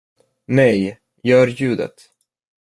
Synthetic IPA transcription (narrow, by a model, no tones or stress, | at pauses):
nɛj | jœːɾjʉ̟ːd̪ə̰t̪